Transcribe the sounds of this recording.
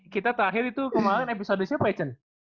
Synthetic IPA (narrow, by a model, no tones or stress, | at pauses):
kit̪at̪əɾaɦɪɾit̪ukəmaɾɪnepisodəsiapaɛt͡ʃən